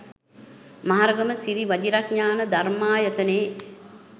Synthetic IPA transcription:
maɦaɾəɡəməsiɾiʋad͡ʒiɾakɲaːnəd̪armaːjət̪əneː

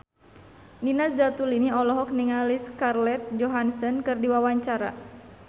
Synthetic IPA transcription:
ninasd͡ʒat̪uliniɔlɔɦɔk̚niŋaliskarlɛt̪̚d͡ʒɔɦansənkɨrdiwawaɲt͡ʃaɾa̰

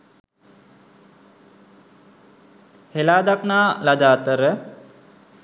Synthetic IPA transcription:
helaːd̪aknaːlad̪aːt̪əɾə

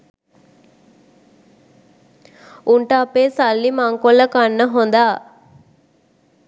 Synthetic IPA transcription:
uɳʈəːpeːsalːimaŋkolːəkanːəɦond̪aː

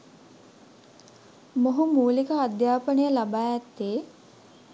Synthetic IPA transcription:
moɦumuːlikəad̪jaːpənəjəlabaːjɛt̪ːeː

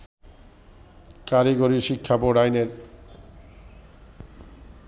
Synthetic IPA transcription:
kaɾiɡoɾiʃikʰːapoɾajneɾ

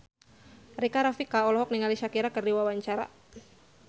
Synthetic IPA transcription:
rikaɾafikaɔlɔɦɔk̚niŋaliʃakiɾakərdiwawaɲt͡ʃaɾa̰

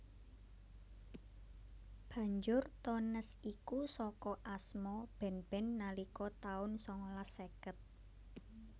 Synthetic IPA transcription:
b̥a̤ɲd͡ʒʊrt̪ɔnəsikusɔkɔʔasmɔb̥ɛ̤nb̥ɛ̤nːalikɔt̪aʊnsɔŋlasekət̪̚

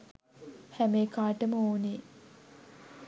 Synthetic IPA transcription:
hæmeːkaːʈəməoːne

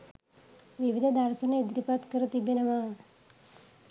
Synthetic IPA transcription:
ʋiʋid̪ʱəd̪aɾsɐnəid̪ɾipat̪kəɾət̪ibenəʋa

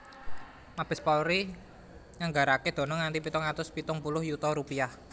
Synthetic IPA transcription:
mab̥ɪspɔɾi | ŋaŋɡaɾaked̪̥ɔ̤nɔŋːant̪ipit̪ʊŋat̪ʊspit̪ʊŋpulʊhjut̪ɔɾupiah

